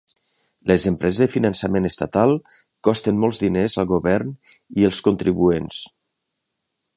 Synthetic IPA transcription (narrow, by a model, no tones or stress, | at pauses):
ləzəmpɾɛzezðəfinənsəmenəst̪at̪alˠ | kɔst̪ənmɔlˠzðinezəlˠɣuβɛɾniəlˠskunt̪ɾiβuens